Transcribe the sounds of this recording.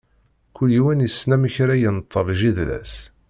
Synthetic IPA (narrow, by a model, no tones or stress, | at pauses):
kʷulːiwænjəsːnæməçɾæjənt̪ˤːəvʒiðlæ̰s